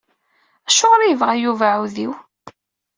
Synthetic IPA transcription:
æʃoʁɾijəvʁæjuvaʕuðiw

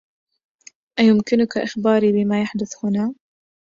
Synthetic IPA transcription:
ʔajʊmkɪnʊkaʔɪxbɑːɾibɪmajaħd̪ʊθhʊna

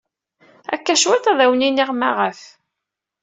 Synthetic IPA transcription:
æ̰kːæʃwæθæðæwniniʁma̰ʁəf

